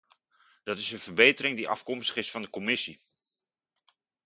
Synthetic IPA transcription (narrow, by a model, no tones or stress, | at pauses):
d̥ɑtɪsənvərbejtəɾɪŋdiʔɑ̰fkɔmstə̥χɪsfɑndəkomɪsi